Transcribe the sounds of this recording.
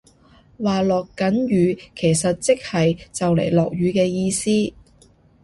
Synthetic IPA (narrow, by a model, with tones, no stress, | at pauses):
waː˨lɔː˨kːɐ˨˥njyː˨˧kʰe˨˩jsɐ˨t̚t͡sɪ˥k̚hɐ˨jt͡sɐ˨wlḛ˨˩jlɔː˨k̚jyː˨˧kɛː˧jiː˧siː˥